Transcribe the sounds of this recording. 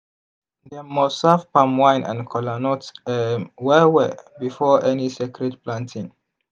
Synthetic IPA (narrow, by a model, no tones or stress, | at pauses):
dɛmɔstsavpãmwãjnã̰nkʰɔlanɔtɛwɛwɛbifɔʔɛnisɛkʰɹɛdplãntʰĩŋ